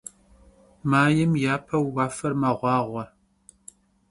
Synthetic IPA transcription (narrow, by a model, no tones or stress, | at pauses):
maːjɪmjaːpʰɐwwaːfɐrmɐʁʷɑːʁʷɐ